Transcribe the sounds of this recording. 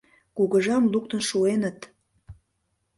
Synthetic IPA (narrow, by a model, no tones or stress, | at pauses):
kuɣə̆ʒɑmluk̚t̪ənʃuenət̪